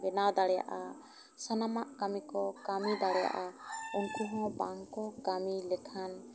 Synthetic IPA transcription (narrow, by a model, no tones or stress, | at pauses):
bɛnad̪aɽɛja̰ʔa | sanamaʔkamikɔkamid̪aɽɛja̰ʔaɔŋkuɦɔ̃baŋkɔkamilɛtʰan